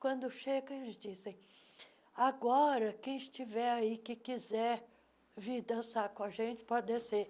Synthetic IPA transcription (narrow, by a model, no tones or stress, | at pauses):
kwɐ̃nd̪ʊʃeɡɐ̃elɪzd͡ʒizẽj̃ | aɡɔɾɐkẽj̃ɪʃt͡ʃivɛɾaikɪkizɛ | viɾd̪ɐ̃sakõaʒẽt͡ʃɪ̥pɔd̪ese